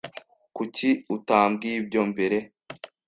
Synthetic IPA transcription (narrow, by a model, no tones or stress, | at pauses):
kuciutaːmbɡibɟo̞mbe̞ɾe̞